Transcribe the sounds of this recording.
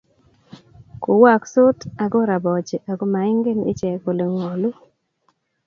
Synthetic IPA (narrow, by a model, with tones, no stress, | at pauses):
ko˨wa˦˨kso˦ta˨ɡo˦ɾa˨bɔ˨d͡ʒe˨ʔa˨ɡo˦ma˨ɪ˦ŋɡe˦nɪ̰˦t͡ʃɛ˨ko˨le˨ŋɔ˨lu˦